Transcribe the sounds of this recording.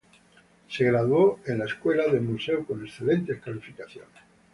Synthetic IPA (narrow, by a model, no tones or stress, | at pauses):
se̞ɣɾaðwoenlaeskwe̞laðemuse̞uko̞ne̞sθe̞le̞nt̪ehkalifikaθjon